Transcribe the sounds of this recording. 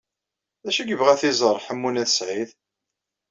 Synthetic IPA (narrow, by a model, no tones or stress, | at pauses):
ðæʃæɡəvʁæθizˤəɾˤħəmːunæθəsʕið